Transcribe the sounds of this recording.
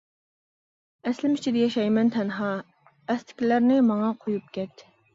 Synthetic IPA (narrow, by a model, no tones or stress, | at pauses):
ɛslɪmyt͡ʃʰid̪ɛjɛʃɑjmɛnt̪ʰɛnɦɑ | ɛst̪ʰɪ̥kʲilæɾnɪmɑŋɑqʰojup̚kʲɛt̪